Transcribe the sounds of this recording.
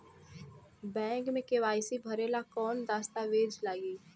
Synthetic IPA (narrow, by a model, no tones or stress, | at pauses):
bɛ̃ːŋkmẽkeʋaːɪsibʱɐɾeːlakɔːnd̪aːst̪aʋeːd͡ʒlaːɡiː